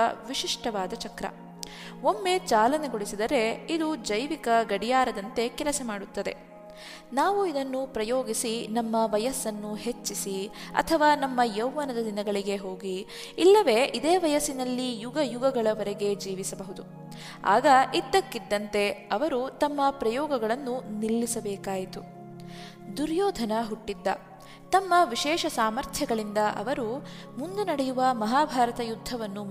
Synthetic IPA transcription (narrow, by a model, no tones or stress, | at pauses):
ɐʋiʂiʂʈɐʋaːd̪ɐt͡ʃɐkɾɐ̰ | o̞mːe̞t͡ʃaːlɐneɡoɭisid̪ɐɾe̞id̪ud͡ʒɐjʋikɐɡɐɽijaːɾɐd̪ɐnt̪e̞kɛlɐsɐmaːɽut̪ːɐd̪e̞̰ | naːʋuid̪ɐnːupɾɐjoːɡisinɐmːɐʋɐjɐsːɐnːuɦe̞t͡ʃːisiɐ̰t̪ʰɐʋaːnɐmːɐjɐwːɐnɐd̪ɐd̪inɐɡɐɭiɡe̞ɦo̞ːɡiː | lːɐʋe̞ːʔid̪eːʋɐjɐsinɐlːijuɡɐjuɡɐɡɐɭɐʋɐɾɛɡe̞d͡ʒiːʋisɐbɐɦud̪u | a̰ːɡɐʔid̪ːɐkːid̪ːɐnt̪e̞ɐʋɐɾut̪ɐmːɐpɾɐjɔːɡɐɡɐɭɐnːunilːisɐbɛːkaːjit̪u | d̪uɾjɔːd̪ʱɐnɐɦuʈːid̪ːɐ | t̪ɐmːɐʋiʃɛːʃɐsaːmɐɾt̪ʰjɐɡɐɭind̪ɐʔɐ̰ʋɐɾu | mund̪unɐɽɛjuʋɐmɐɦaːbʱaːɾɐt̪ɐjud̪ʱːɐʋɐnːu